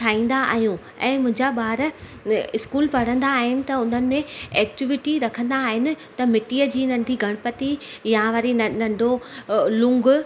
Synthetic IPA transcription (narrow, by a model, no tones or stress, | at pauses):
ʈʰaːĩːn̆d̪aa̰ːɦijũ | ɛ̃ːmʊ̃ɦɪ̃ɲd͡ʑaɓaːɾ | ɪskuːlpɐɽ̤ə̃nd̪aːɦɪnɪ̆t̪ɐʊn̤ənɪ̆mẽɛːk̚ʈɪʋɪʈiɾɐkʰə̃nd̪aːɦɪnɪ̆t̪ɐmɪʈiːəd͡ʑiːnɐ̃nd̪ʱiɡʱɐɽ̃pɐt̪ijaʋɐɾinɐ̃ɳɖʱolʊ̃ŋɡʊ